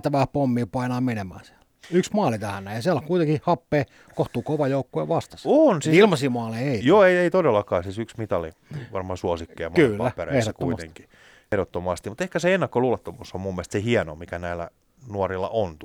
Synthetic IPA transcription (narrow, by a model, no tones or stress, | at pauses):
t̪ːæʋæːpomːiːpɑinɑːmenemæ̰ːsiæ̥l | yksmɑːlit̪æhænnæːjɑsiælkuit̪eŋkihɑpːeː | koht̪uːkoʋɑjoukːuḛˑʋɑst̪ɑ̥sonsiilmɑsiːmɑːleeijoːeieit̪odelːɑkɑːsisyksmit̪ɑliʋɑrmɑːsuosikːeɑmkylːæpːerḛehsoek̪ːuit̪eŋki̥ | ehɾot̪ːomɑst̪imut̪ehkæseenːɑkːoluːlɑt̪ːomuːsːommumːiælst̪sehiɛno̰mikænæilːæ̰ | nuorilːɑ̰ʔont̪